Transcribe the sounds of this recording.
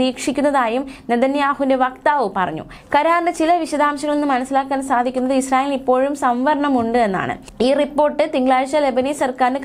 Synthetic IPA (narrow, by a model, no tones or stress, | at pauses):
iːkʂikʲːunːɐðaːjumned̪ɐnjaːhunde̞ʋɐkt̪aːʋɨpɐrɐ̰ɲːṵ | kɐɾaːrnɨt͡ɕilɐʋiɕɐd̪aːmɕɐŋːɐɭenːɨmɐnɐsːilaːkːaːnsaːd̪ʱikʲːunːɐðɨisraːjeːlipːo̞ːɻumsɐmʋɐɾɐɳɐmuɳɖɨe̞nːa̰ːɳɨ̰ | iːripːo̞ːrʈːɨt̪iŋɡɭaːɻɕɐlebɐniːsɐrkaːɾnɨk